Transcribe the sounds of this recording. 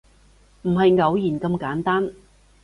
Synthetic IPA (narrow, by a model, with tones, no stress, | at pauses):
m̩˨˩ɦɐ˨jŋɐ˨˧wjiː˨˩nkɐ˧mkaː˨˥nt̪aː˥n